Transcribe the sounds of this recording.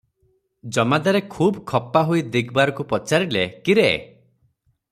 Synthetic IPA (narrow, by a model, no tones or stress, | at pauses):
d͡ʒɔmad̪aɾekʰuːbkʰɔpaɦoid̪iɡbaɾɔkupɔt͡ʃaɾilekiɾe